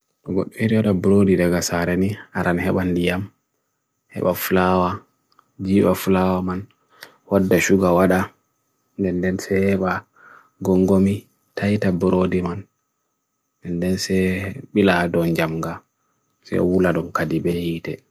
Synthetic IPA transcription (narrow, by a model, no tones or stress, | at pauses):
ɗɔɡɔ̰ɗːɔiɾiwaɗabuɾodidaɡasaɾɛniaɾanhɛɓandijam | hɛ̰ɓafulawa | d͡ʒiːɓafulawaman | wadːaʃuɡawaɗa | ndɛndɛnsɛhɛɓa | ɡɔŋɡomi | tʰajtabuɾodiman | ɛndɛnsɛɓiladɔnd͡ʒamɡa | sɛ̰ɔ̰wulaɗɔmkadibɛhitɛ